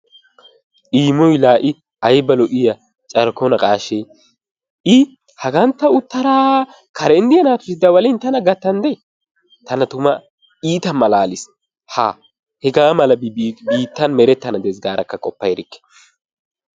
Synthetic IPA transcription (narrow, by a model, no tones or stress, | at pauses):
iːmɔjlaːʔɪ | ɐjbɐlɔʔɪjɐ | t͡ʃʼɐɾkɔnɐkʼaːʃɛ | ɪ | hɐɡɐnt̪ːɐʊt̪ːɐɾaː | kʰɐɾɛnd̪ɪjɐnaːt̪ʊsɪd̪ɐwɐlɪnt̪ɐnɐɡɐt̪ːɐnd̪ɛ | t̪ɐnɐt̪ʊmɐ | iːt̪ɐmːɐlaːlɪs | ha̰ː | hɛɡaːmɐlɐbiːt̪ːɐnmɛɾɛt̪ːɐnɐd̪ɛs̬ɡaːɾɐkːɐkʼɔpːɐjɾɪkːɛ̥